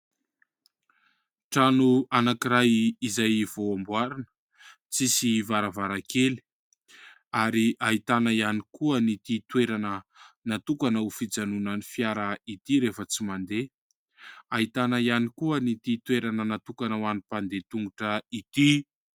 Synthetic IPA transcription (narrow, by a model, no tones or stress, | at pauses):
ʈ͡ʂanuanakiɾajizajv̥oambwaɾanə̥ | t͡sisivaɾavaɾakeli̥ | aɾiʔait̪anaianikuənit̪it̪weɾanənat̪ukanaufid͡zanunənifjaɾait̪iɾefət͡simand̪e | ait̪anaianikuənit̪it̪weɾanənat̪ukanawanipand̪et̪uŋɡuʈ͡ʂəit̪i